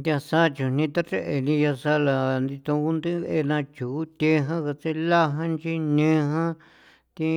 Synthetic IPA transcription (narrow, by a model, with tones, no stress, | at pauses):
nd̪ʲa˧sa˦t͡ʃũ˨n̥ĩ˧t̪a˦ɾe˦ʔe˨nĩ˧ja˧sa˦la˨nd̪i˧t̪õ˧ku˦nd̪ɨ˦βe˧e˧nã˧t͡ʃu˨˦t̪ʲe˧˦ɦã˦ka˧t͡se˧la˦ɦã˦nt͡ʃi˧nĩ˦˧˦ɦã˦ | t̪ĩ˧